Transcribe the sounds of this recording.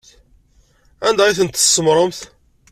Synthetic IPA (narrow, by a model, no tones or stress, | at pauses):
ænd̪æiθənt̪ə̥sːəmɾˤəmθ